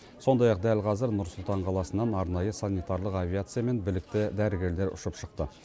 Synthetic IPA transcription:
so̞nd̪ɑjɑq̚d̪ælqʰɑzəɾnʊɾsʊlˠt̪ɑɴqʰɑlˠɑsənːɑnɑɾnɑjəsanʲit̪aɾlˠəqavʲijat̪sɨijame̞nbɪlɪk̚t̪ɪd̪æɾɪɡʲe̞ɾle̞ɾʊ̰ʃəpʃəq̚t̪ə

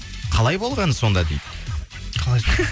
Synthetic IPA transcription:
qʰɑlˠɑjbo̞lˠʁɑnəso̞nd̪ɑd̪ejd̪ɪ̥ | qʰˠ

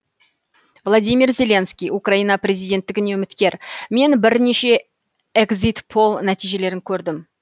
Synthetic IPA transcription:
vlˠad̪ʲijmirzʲe̞le̞nskʲijukraijnɑprʲe̞zijd̪ʲe̞nt̪ːɪɡʲɪneʊmɪt̪kʲe̞ɾme̞nbɪɾneʃe̞ | eɡzit̪pʰo̞lˠnæt̪ijʒe̞le̞ɾɪŋkʲʰɵɾd̪ɪm

